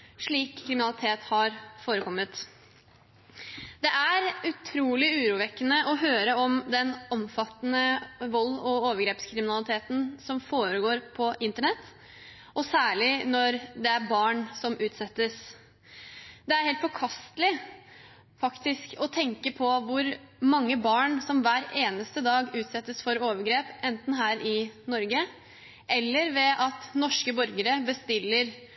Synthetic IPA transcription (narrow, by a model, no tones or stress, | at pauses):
ʂɭiːkʰːɾɪmɪnɑlɪt̪ʰeːt̪hɑɾfoːɾəkʰɔmːət̪ | d̪ɛʔæɾʉt̪ʰɾuːlɪʉːɾuːʋɛkːənəʔɔɦøːɾəɔmd̪ɛnɔmfɑt̪ːənəʋɔlːɔoːʋəɾɡɾeːpskʰɾɪmɪnɑlɪt̪ʰeːt̪n̩sɔmfoːɾəɡoːɾpʰɔʔɪnt̪əɳɛt̪ː | ʔɔsæːɭɪnɔɾd̪ɛæɾbɑːɳsɔmʔʉːt̪sɛt̪ːəs | d̪ɛæɾheːlt̪fɔkʰɑst̪lɪ | fɑkt̪ɪskɔt̪ʰɛŋkəpʰɔʋʊɾmɑŋːəbɑːɳsɔmʋæːɾeːnəst̪əd̪ɑːɡʉːt̪sɛt̪ːəsfɔɾoːʋəɾɡɾeːpɛnt̪n̩ɦæːɾʔɪnɔɾɡə | ʔɛlːəɾʋɛʔɑt̪nɔʂkəbɔɾɡəɾəbəst̪ɪlːəɾ